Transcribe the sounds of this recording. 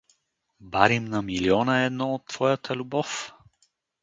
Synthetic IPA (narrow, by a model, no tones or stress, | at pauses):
baɾimnɐmiliɔnəɛd̪nɔot̪ːv̥ɔjɐt̪ʰəlʲubɔf